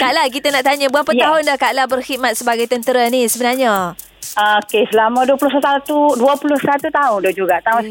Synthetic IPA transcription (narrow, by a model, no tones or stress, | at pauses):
kaʔlahk̬it̪anaʔt̪aɲabuapət̪aɦʊndahkaʔlahbərhit̪̚mat̪̚səbaɡajt̪ənt̪əɾanisəbənarɲa | əokesəlamãduapulʊsaat̪uduapulʊhsat̪ut̪aʊndɔhd͡ʒuɡat̪aʊ